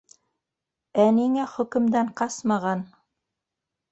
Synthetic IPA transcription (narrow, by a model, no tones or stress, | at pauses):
æniŋæχɵ̆kɵ̆md̪æɴqɑsmɑʁɑn